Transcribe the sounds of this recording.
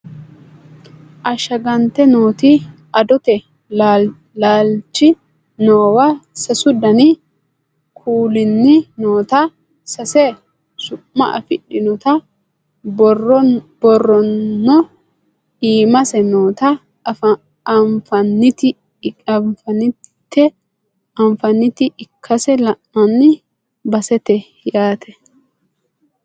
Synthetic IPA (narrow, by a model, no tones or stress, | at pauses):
ʔɐʃɐɡɐnt̪ɛnoːt̪ɪ | ɐd̪ɔt̪ɛ | la | laːlt͡ʃːɪ | noːwɐsɐsʊd̪ɐnɪ | kʰuːlɪnːɪnoːt̪ɐ | sɐsɛ | sʊʔːɐ̰ʔɐ̰fɪɗːɪnɔt̪ɐ | bɔrːɔnːɔ | iːmɐsɛnoːt̪ɐ | fɐnːɪt̪ɪ | ɐmfɐnɪt̪ːɛ | ɐɱfɐnːɪt̪ɪʔɪkʰːɐsɛlɐʔːɐnːɪ | bɐsɛt̪ɛ | jaːt̪ʰɛ